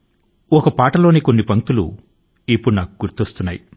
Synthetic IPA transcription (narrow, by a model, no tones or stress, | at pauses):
ɔkɐpaːʈɐlo̞ːniko̞nːipɐŋt̪ulṵ | ipːuɽunaːkuɡuɾt̪ost̪unːaːji